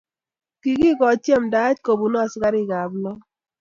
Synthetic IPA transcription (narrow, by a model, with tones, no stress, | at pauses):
ki˨ki˦kɔ˨t͡ʃjɛ˦˨mda˨˦t͡ʃko˨bu˨nɔ˦a˨sɪ˦ka˦ɾi˦˨ɡa˨blɔ˦